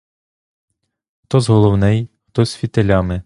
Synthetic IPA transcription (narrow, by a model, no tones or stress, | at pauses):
xt̪ɔzɦɔlˠɔwnɛjxt̪ɔsʲfʲit̪elʲɑmɪ